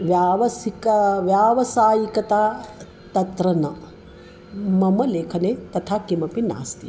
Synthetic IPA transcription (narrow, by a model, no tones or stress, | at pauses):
ʋjaːʋɐsikɐʋjaːʋɐsaːjikɐt̪aː | t̪ɐt̪ɾɐnɐ | mɐmɐleːkʰɐneːt̪ɐt̪ʰaːkimɐpina̰ːst̪i